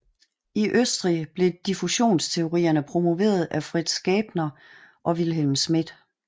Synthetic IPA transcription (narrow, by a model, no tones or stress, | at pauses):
iʔøsd̥ʁib̥le̝d̥ifuɕo̝̰ːnst͡sʰe̝o̝ʁḭːɐnəpʰʁo̝mo̝ʋe̝̰ːɐð̞ˠʔæfʁid̥sɡ̥ɛːb̥nɐʔɒ̽ʋilɦelmsmid̥